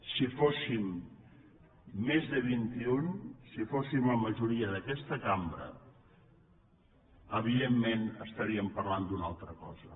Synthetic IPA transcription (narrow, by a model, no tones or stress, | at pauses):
sifosim | ezðəβ̞int̪iunsifosimləməʒuɾiəðəkɛst̪əkambɾə̰ | əβiðemːenəst̪əɾiəmpərland̪unalˠt̪ɾəkɔ̰zə